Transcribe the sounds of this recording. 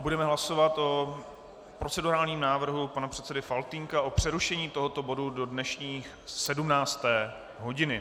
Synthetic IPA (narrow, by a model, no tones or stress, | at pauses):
budɛmɛɦlaso̞vat̪ʔo̞ | pɾo̞t͡sɛduɾaːlɲiːmnaːvr̩ɦupanapr̝̥ɛt̪sɛdɪfalt̪iŋkaʔo̞pr̝̥ɛɾuʃɛɲiːt̪oɦo̞t̪o̞bo̞dudo̞dnɛʃɲiːx | sɛdumnaːt͡st̪ɛː | ɦo̞ɟɪnɪ